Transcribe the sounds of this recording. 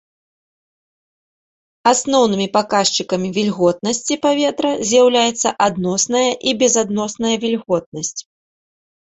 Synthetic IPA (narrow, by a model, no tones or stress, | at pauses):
asnɔwnɨmʲipakaʂt͡ʃɨkɐmʲivʲilʲɣɔt̪̚nɐsʲt͡sʲipavʲɛt̪ɾɐzʲjawlʲajɛt̪sːɐ̰ʔad̪nɔsnɐjɐʔibʲɛzad̪nɔsnɐjɐvʲilʲɣɔt̪̚nɐsʲt͡sʲ